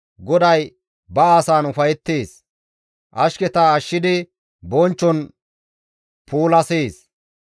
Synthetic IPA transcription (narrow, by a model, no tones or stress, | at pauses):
ɡɔd̪ɐj | bɐaːsaːnʊfɐjɛt̪ːeːs | ʔɐʃkɛt̪aːʃːɪd̪ɪ | bɔnt͡ʃːɔn | puːlɐseːs